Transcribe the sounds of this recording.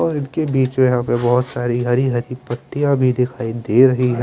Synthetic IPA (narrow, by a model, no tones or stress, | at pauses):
ɔːɾɪnkebiːt͡ʃmẽjɐɦãpebɔɦʊt̪saːɾiɦɐɾiɦɐɾipɐʈːijãbʱid̪ɪkʰaːid̪eɾɐɦiɦɛː